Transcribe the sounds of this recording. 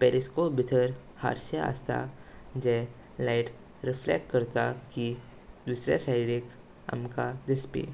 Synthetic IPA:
pɛːɾɪskobɪt̪ʰəɾ | ha̰ːɾsjaa̰ːst̪ʰa̰d͡ʒɛː | laɪʈ | ɾɪfʰlɛ̰ːkʈ̚kəɾt̪aki | d̪uːsɾḛsaːɪɖek | ə̰mkad̪ɪspḛː

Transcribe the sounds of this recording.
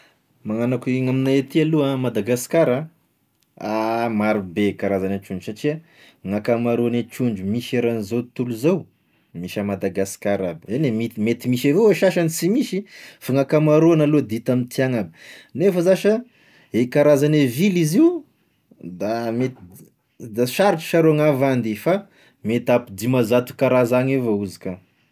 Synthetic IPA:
maŋanakiŋaminaat̪ialuamad̪aɡaskaɾa | amaɾubekaɾazanat͡ʃuɳɖ͡ʐusaʈ͡ʂia | ŋakamaɾuanet͡ʃuɳd͡ʒumiʃeɾanizot̪uluzaw | miʃamad̪aɡasi̥kaɾabianemimet̪imiʃavoweʃaʃanisimiʃifaŋakamaɾoanalod̪it̪amint̪iaŋabinefəzaʃə | ekaɾazaneviliziu | d̪amet̪ | d̪aʃaɾiʈ͡ʂə̥ʃaɾoaŋavand̪ifa | met̪apid̪imazat̪u̥kaɾazaɲevauzika

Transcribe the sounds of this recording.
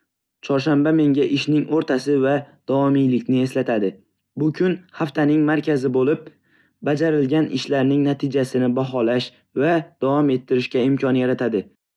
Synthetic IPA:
t͡ʃʰɒɾʃ̬ambame̞ŋɡʲaʔɪʃnɪŋoɾt̪ʰasɪvad̪̥ɒvɒmijlɪkʲnɪe̞slat̪ʰad̪ɪ | bʊkʲʰʊnhaft̪ʰanɪŋmaɾkʲʰazɪbolɪp̚ | bad͡ʒaɾɪlɡʲanɪ̰ʃlaɾnɪŋnat̪ʰɪd͡ʒasɪnɪbaɦɒlaʃ | vad̪̥avɒme̞t̪ʰːɪɾɪʃkʲaɪmkʰʲɒnjaɾat̪ʰad̪ɪ

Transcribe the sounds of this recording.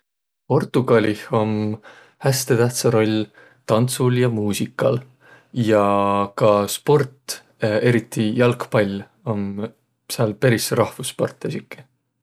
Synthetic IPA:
po̞rt̪ˑuɡ̥ɑlʲiho̞m | hæst̪e̞t̪æht̪sɑɾo̞lʲ | t̪ɑnt̪suljɑmuːsikːˑɑl | jɑkɑspo̞rt̪ˑ | e̞ɾit̪ˑːijɑlkpɑlʲ | o̞n | seɑlpeɾisɾɑhfuspo̞rt̪ˑːesikˑːi̥

